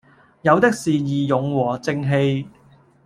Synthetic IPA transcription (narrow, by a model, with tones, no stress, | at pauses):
jɐ˨˧wt̪ɪ˥k̚siː˨jiː˨jʊ˨˩ŋwɔː˨˩t͡sɪ˧ŋɦe˧j